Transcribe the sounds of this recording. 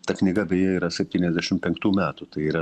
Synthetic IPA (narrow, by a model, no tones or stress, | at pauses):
t̪ɐknʲɪɡɐbʲejɛiːɾɐsʲɛpʲt̪ʲiːnʲɛzʲd̪ʲæʃʲɪmpʲɛŋkt̪uːmʲæːt̪ut̪ɐɪiːɾɐ